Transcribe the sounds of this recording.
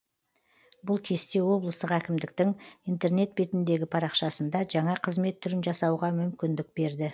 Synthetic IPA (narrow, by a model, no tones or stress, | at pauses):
bʊlˠkʲʰe̞st̪ewo̞blˠəst̪əqækʲɪmd̪ɪk̚t̪ɪŋijnt̪e̞rne̞t̪̚be̞t̪ɪnd̪e̞ɡʲɪpʰɑɾɑqʃɑsənd̪ɑʒɑɴɑqʰəzme̞t̪ʰːʏɾɪnʒɑsɑwʁɑmʏmkʲɪnd̪ɪk̚b̥e̞ɾd̪ɪ